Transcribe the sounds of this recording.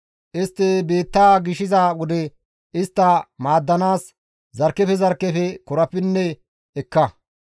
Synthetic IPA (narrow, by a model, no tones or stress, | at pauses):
ʔɪst̪ːebe̞ːt̪ːaːɡɪʃɪzawɔd̪ɛ | ɪst̪ːɐmaːd̪ːɐnaːs | zɐɾkːɛfɛzɐɾkːɛfɛkɔɾɐpːɪnːɛ | ɛkːɐ